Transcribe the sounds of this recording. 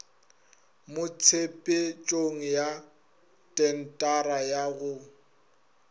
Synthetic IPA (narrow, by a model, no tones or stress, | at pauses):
mʊt͡sʰepʼɪt͡ʃʼoŋ̩ja | tʼɛn̩tʼaɾajaɣʊ